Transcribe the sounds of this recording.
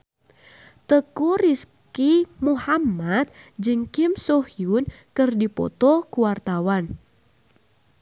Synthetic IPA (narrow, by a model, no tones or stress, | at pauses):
t̪əkuɾiskimuhamːat̪̚d͡ʒɨŋkimsɔhjun | kɨrdipɔ̰t̪ɔkuwart̪awan